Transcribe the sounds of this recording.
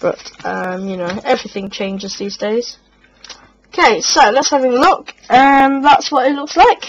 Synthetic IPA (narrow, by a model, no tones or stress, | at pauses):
b̥ʌ̰tʌ̃mjɨnoʊɛvɹɪθɪ̃ŋt͡ʃʰẽɪ̃nd͡ʒɪzðiːzdeɪz̥ | oʊkʰeɪsoʊlətshavɪ̃ŋlʊkʌ̃mðætswɒtɪtlʊkslaɪk